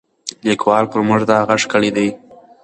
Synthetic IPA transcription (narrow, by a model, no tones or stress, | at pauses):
likwɑlpəɾmʊʐd̪ɑhaɣaʂkəɽid̪aj